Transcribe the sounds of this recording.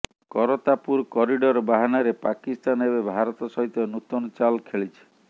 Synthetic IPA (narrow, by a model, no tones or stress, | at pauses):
kɔɾɔt̪apuɾkɔɾiɖɔɾbaɦanaɾepakist̪anebebʱaɾɔt̪ɔsɔɦit̪ɔnut̪ɔnɔt͡ʃalkʰeɭit͡ʃʰi̥